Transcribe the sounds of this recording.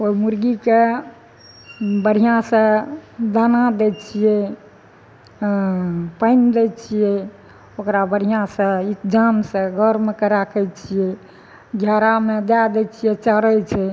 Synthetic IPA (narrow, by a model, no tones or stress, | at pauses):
oimuɾɡike | bəɽ̤ijãsə̃d̪anad̪ɛt͡ʃʰijɛ | pəjnd̪ɛt͡ʃʰijɛ | okɾabəɽ̤ijãsə̃it̪d͡ʒamsə̃ɡʱəɾmekeɾakʰɛt͡ʃʰijɛ | ɡʱjaɾamed̪ad̪ɛt͡ʃʰijɛt͡ʃəɾɛt͡ʃʰɛ